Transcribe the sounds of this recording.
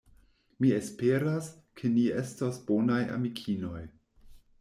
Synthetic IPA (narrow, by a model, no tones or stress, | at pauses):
miespe̞ɾas | kʰe̞nie̞stosbo̞naja̰mikʰino̞j